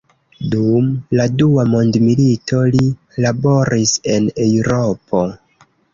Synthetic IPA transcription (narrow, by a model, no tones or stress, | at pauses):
dumladuamondmilitʰo̞li | labo̞ɾise̞newɾo̞pʰo̞